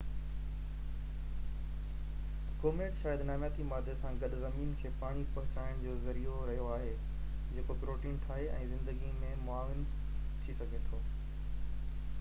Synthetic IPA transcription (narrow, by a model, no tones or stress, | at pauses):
koːmeːʈʃaːjəd̪naːmjaːt̪imaːd̪ʱesãɡɐɗʊ̆zɐmiːnkʰeːpaːɽ̃ipɐɦʊt͡ɕaːɪɽ̃d͡ʑoːzɐɾioɾɐɦijoaːɦe | d͡ʑeːkopɾoːʈiːnʈʰaːɦeɛ̃ːzɪ̃nd̪əɡimẽmʊaːʋɪn | t̪ʰisɐɡʱet̪ʰoː